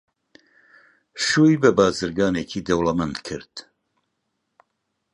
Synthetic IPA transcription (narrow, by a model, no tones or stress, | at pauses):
ʃuːjbəbaːzɨɾɡɑːneːkʰiːd̪ɐwlɐmɛnd̪kʰɨɾd̪̥